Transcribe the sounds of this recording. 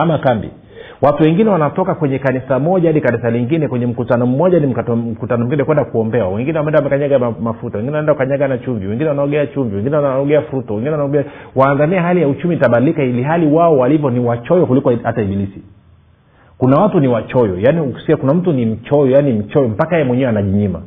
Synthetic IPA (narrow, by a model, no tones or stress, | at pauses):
amakambḭ | watuwɛŋɡinɛwanatɔkakwɛɲɛkanisamɔʄahaɗikanisaliŋɡinɛkwɛɲɛm̩kutanɔm̩mɔʄanim̩km̩kutanɔm̩ɡinɛkwɛndakuɔmbɛwa̰wɛŋɡinɛwamɛndawamɛkaɲaɡamafutawɛŋɡinwaɛndakukaɲaɡanat͡ʃuɱviwɛŋɡinɛwanaɔɡɛat͡ʃuɱviwɛŋɡinɛwaaɔɡɛafuɾutawɛŋɡinɛwanaɔmbɛawaːŋɡaniɛɦalijaut͡ʃumitaɓadilikailiɦaliwaɔwalivjɔniwat͡ʃɔjɔkulikɔhataiɓilisi | kunawatuniwat͡ʃɔjɔ̰janisiakunam̩tunim̩t͡ʃɔjɔjanim̩t͡ʃɔjɔm̩pakaɛɛmwɛɲɛwɛanaʄiɲima̰